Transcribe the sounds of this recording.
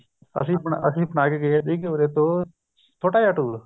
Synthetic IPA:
ə̰sĩːbənəsĩːbənaːkeɡeeːd̪iːkeɾeːt̪õː | t̪ʰoːʈaːjaːʈuːl

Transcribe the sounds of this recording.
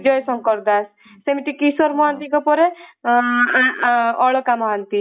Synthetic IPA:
d͡ʒɔjsʌŋkɔɾd̪as | semiʈikisɔɾmɔɦant̪ikɔpɔɾe | ɔɭɔkamɔɦant̪i

